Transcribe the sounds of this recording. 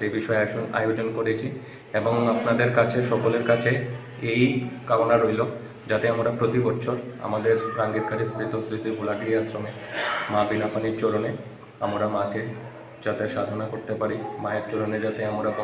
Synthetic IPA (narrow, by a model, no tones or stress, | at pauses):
ebiʃɔeaoa̰jod͡ʑonkoɾet͡ɕʰi | eboŋapnad̪eɾkat͡ɕʰeʃɔkoleɾkat͡ɕʰe | ejkaɾonaɾojlo | d͡ʑat̪eamɾapɾot̪ibɔtːʃʰoɾa̰mad̪eɾɾaŋɡiɾkaɾist̪ɾit̪osɾisiɾbʱulaɡɾiasɾomemabinapaniɾt͡ɕoɾone | amɾamake | d͡ʑat̪eʃad̪ʱonakoɾt̪epaɾimaeɾt͡ɕoɾoned͡ʑat̪eamɾapɔ